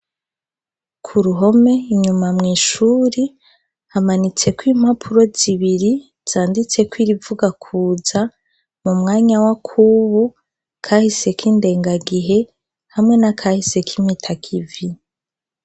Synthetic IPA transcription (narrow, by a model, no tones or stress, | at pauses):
kʰuɾuɦo̞me̞iɲumamŋiːʃuːɾi | hamanit͡se̞kwiːm̥hapʰuɾo̞z̥iβiɾi | z̥aːndit͡se̞kwiːɾivuɡakʰuːza | mumŋaːɲawakʰuβu | kʰahise̞kiːnde̞ːŋɡaɡiɦe̞ | hamŋe̞nakʰahise̞kʰimitʰakʰivi